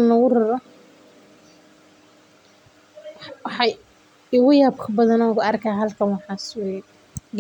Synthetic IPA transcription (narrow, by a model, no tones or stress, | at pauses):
nɐɣʊrɐɾɔ | wɑħɑj | ɪɣʊjaːbkʰɐbɐðɐnɔɣʊɐrkʰaɦɐlkʰɐnwɑħɑsw | ɡ